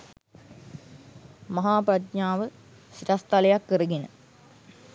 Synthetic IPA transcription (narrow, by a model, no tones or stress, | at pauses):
mɐɦaːprat̪ɲaːʋə | siʈast̪alejakːəɾəɡenə